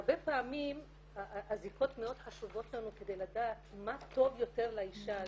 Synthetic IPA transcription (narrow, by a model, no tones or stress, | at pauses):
ʁbepaːmim | aaziko̞tmeo̞d̪̥ħaʃuvo̞t̪lanuke̞d̪ejladat̪mato̞vjo̞te̞ʁlaiʃa